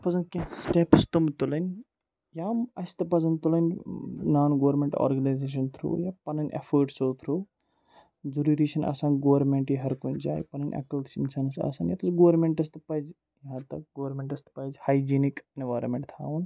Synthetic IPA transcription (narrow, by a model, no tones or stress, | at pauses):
pɐzɐnkʲẽsʈepst̪umt̪ulɐnʲ | jaːmɐst̪ɐpɐzɐnt̪ulɐnʲnaːnɡoːɾmeɳʈo̰ːɾɡɐnajzeːʃ̬ɐnt̪ʰɾṵːjaːpɐnɐnʲʔḛfʰəːɾʈsot̪ʰɾuː | zuɾiɾiːʃɐnʔɐ̰saːnɡoʋɐɾmeɳʈjiɦɐɾkund͡ʒa̰ːjpɐnɐnʲʔɐ̰kɐlt̪sinsaːnɐsɐ̰saːnjaːt̪usɡoːɾmeɳʈɐs̬t̪ɐpɐz | jãːt̪ɐkɡoːɾmeɳʈɐst̪pɐzhaːjd͡ʒiːnikenʋaːɾmẽɳʈt̪ʰa̰ːʋun